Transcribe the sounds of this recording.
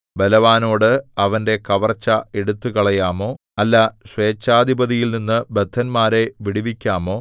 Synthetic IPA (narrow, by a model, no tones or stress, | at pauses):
belɐʋaːno̞ːɽɨɐʋɐnde̞kɐʋɐrt͡ɕːɐeɽut̪ːukɐɭɐjaːmo̞ː | ɐlːɐɕʋe̞ːt͡ɕːaːd̪ʱibɐðijilninːɨbed̪ʱːɐnmaːɾe̞ʋiɽiʋikʲːaːmo̞ː